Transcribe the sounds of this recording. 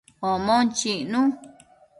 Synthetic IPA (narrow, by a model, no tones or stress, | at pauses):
omõnt͡ʃinũ